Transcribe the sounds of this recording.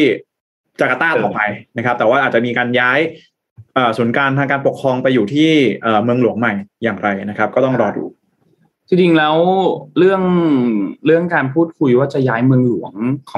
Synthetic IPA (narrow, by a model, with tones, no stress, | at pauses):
i˥˩ | t͡ɕa˨˩ka˧t̪aː˥˩t̪ɔː˨˩pa˧jna˦˥kʰa˦˥t̪ɛ˨˩waː˥˩ʔaː˨˩t̪̚t͡ɕa˨ʔmiː˧kaː˧njaː˦˥j | ʔɤː˨˩suː˩˦nkaː˧nt̪ʰaː˧ŋkaː˧npo˨˩kʰɾɔː˧ŋpa˧jːuː˨˩t̪ʰiː˥˩ʔɤː˨˩mɯ˧əŋlu˨˩˦əŋma˨˩jjaː˨˩ŋɾa˧jna˦˥kʰa˦˥p̚kɔː˥˩t̪ɔ˥˩ŋɾɔː˧dṵː˧˩ | t̪ʰi˧ŋt͡ɕi˧ŋlɛː˦˥wɾɯ˥˩əŋ | ɾɯ˥˩əŋkaː˧npʰuː˥˩t̪̚kʰu˧jwaː˥˩t͡ɕa˨˩jaː˦˥jmɯ˧əŋlu˨˩˦əŋkʰː